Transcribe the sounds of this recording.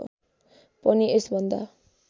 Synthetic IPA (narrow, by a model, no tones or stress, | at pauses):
pʌniesbʱʌnd̪a̰